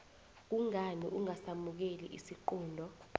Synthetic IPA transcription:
k̬uŋaniʔuŋasamuk̬elḭʔisiǃuːndʱɔ

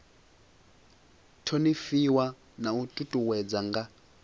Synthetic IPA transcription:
tʰonifiwa | nautʼutʼuwɛd͡zaŋɡa

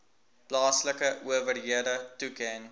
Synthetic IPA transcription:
plɑːsləkəʔuəvərɦiədətukɛŋ

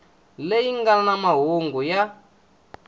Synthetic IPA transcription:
lejiŋɡanamaɦoŋɡuja

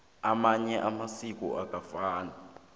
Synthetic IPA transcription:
amaɲɛʔamasik̬ʼɔ̰ʔak̬ʼafaːna

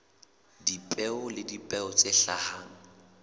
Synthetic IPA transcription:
dipʼɛʊlɪdipʼɛʊt͡sʼeɬahaːŋ̩

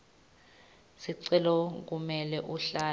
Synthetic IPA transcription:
siǀɛlɔk̬umɛlɛʔuɬaː

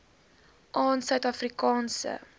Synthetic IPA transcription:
ʔɑːnsœɥtɐfrikɑːnsə̰

